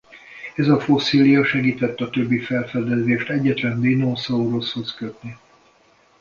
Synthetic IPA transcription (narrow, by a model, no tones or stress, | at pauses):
ɛzɒfo̞siːlijɒʃɛɡiːt̪ɛt̪ːɒt̪øbːifɛlfɛd̪ɛzeːʃt̪ɛɟːɛt̪lɛnd̪eːnosɒoɾo̞sho̞skøt̪ni